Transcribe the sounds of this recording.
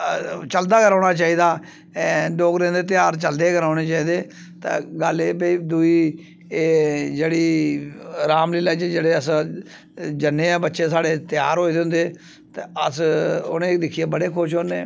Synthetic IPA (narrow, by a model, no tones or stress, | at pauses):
t͡ʃəld̪aːkəɾaːɽ̃aːt͡ʃaːiːd̪aː | loːɡɾẽːnd̪eːt̪̬ɪjaːɾt͡ʃəld̪eːkəɾaːɽ̃eːt͡ʃaːiːd̪eː | t̪a̰ːɡəleːpiːd̪uiː | d͡ʒeːɽiː | ɾaːmlɪːlaːd͡ʒed͡ʒeːɽeːəs | d͡ʒənːeːɛːbətːʃeːsaːɽeːt̪ɪja̰ːɾɦoːiːd̪ɪʊ̃nd̪eː | t̪eːəsʊneːd̪ɪkʰːijeːbəɽeːkʰʊʃɦoːneː